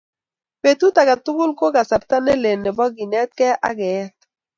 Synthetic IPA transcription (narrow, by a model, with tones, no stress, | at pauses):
pe˨tu˦ta˨ka˨tu˦ɡu˦lko˦ka˨sa˨ɾta˦ne˦le˨ne˨bɔ˦ɡi˨nɛ˦t̪̚kɛ˦ʔa̰˦ɡɛ˨˦t̪̚